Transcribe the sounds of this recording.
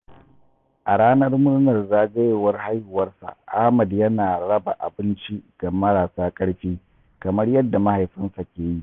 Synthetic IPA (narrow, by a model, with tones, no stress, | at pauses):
ʔa˨ɽaː˦nɐ˦rmʊ˦ɽnɐ˨rzaː˦ɡɐ˦jeː˨wɐ˦rha˦jhʊ˨wɐ˦rsa̰˨ʔa˦hmɐ˨djɐ˦naː˨ɽɐ˦ba̰˨ʔa̰˨bɪ˦nt͡ʃi˦ɡ̥a˨mɐ˦ɽaː˨saː˦kʼɐ˦ɽɸiː˦ | kɐ˨mɐ˦rjɐ˦dːa˨ma˦ha˨jɸɪ˦nsa˨kʲeː˨ji˦ʔ